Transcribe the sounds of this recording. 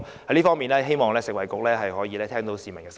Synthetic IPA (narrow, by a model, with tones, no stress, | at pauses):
hɐ˨˥jliː˥fɔː˥miː˨nlɛː˥ɦe˥jmɔː˨ŋlɛː˥sɪ˨k̚wɐ˨jkʊ˨k̚lɛː˥ɦɐ˨jɦɔː˨˥jiː˧lɛː˥t̪ʰɛː˥ŋt̪o˨˥wsiː˨mɐ˨˩nkɛː˧s